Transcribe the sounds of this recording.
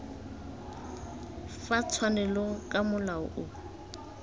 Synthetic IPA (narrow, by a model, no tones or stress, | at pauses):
fat͡sʰwanɛlɔkʼamʊlaʊ̰ʔʊ